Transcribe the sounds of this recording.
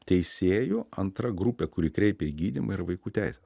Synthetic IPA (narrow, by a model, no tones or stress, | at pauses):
t̪ʲɛɪssʲeːjʊɐnt̪ɾɐɡɾupʲɛkʊɾʲiːkɾʲɛɪpʲɛiɡʲiːd̪ʲimɐɪɾɐʋɐɪkuːt̪ʲæɪsʲɛs